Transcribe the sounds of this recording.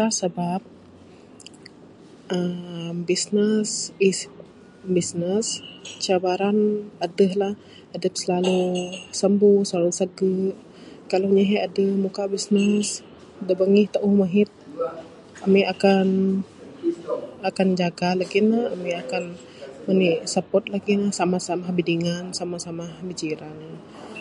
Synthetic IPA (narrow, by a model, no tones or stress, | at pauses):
ahsəbap̚ | əmbisnəsis | bisnəst͡ʃabaɾanadəhlah | adəpsəlalusəmbuhsəlalusəɡəʔ | kaloɲaɦəadəhmukabisnəs | dəbaŋiht̪aʔuhmaɦit̪̚ | amiʔakan | akand͡ʒaɡalaɡinahamiakan | məniʔsapɔt̪̚laɡinahsamahsamahbidiŋansamasamahbid͡ʒiɾan